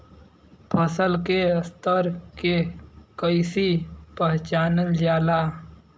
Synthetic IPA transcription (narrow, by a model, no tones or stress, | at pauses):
pʰəsəlkest̪əɾkekəɪsipəɦt͡ʃaːnəld͡ʒaːla